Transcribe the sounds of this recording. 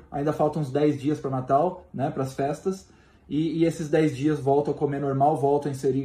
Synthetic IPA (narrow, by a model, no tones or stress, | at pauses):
a̰ĩnd̪ɐfawˠt̪ɐ̃ũzd̪ɛjzd͡ʒiɐspɾɐnat̪awnɛpɾɐsfɛst̪ɐs | ɪːesɪzd̪ɛjzd͡ʒiɐzvɔwˠt̪ɐ̃w̃ɐkomeɾnoɾmawvɔwt̪ɐ̃ɐ̃ẽseɾi